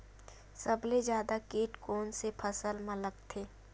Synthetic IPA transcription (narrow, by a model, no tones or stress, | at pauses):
sɐblezjaːd̪akiːʈkoːnsepʰɐsəlmɐləkt̪ʰeː